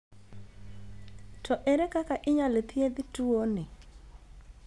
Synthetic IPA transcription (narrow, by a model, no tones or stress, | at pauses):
tʰɔʔɛɾɛkakaʔɪɲalet̪ʰɪed̪ɪtuonɪ